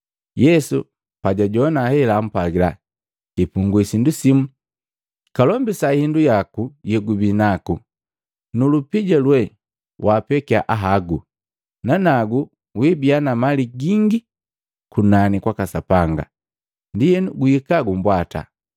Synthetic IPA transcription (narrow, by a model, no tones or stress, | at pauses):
jɛsṵ | paɟaɟɔnahɛlaːm̩paɡila̰ | kipuŋɡuisindusimu | kalɔmbisahindujakujɛɡubinaku | nulupiɟalwɛ | wʔapɛkiaʔaɦaɡu | nanaɡu | wibianamaliɡiŋɡi | kunanikwakasapaŋɡa̰ | ndijɛnɡuhikaɡumbwata̰